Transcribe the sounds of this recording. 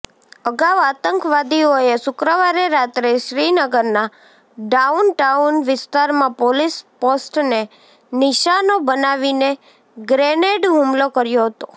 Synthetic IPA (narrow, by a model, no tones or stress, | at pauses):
əɡaʋat̪əŋkʋad̪ioeʃʊkɾəʋaɾeɾat̪ɾeʃɾinəɡəɾna | ɖaunʈaunʋɪst̪aɾmãpolisposʈne | nɪʃanobənaʋine | ɡɾeneɖɦumlokəɾjoɦət̪o